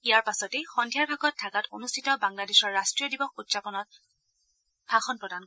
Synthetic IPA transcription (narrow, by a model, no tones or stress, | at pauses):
ijaɹpasɔtexɔndʱjaɹbʱaɡɔtʰːakato̰nustʰitɔbaŋladeʃɔɹːastɹijɔdibɔk̚utsapɔnɔt̚ | bʱaxɔnpɹɔdan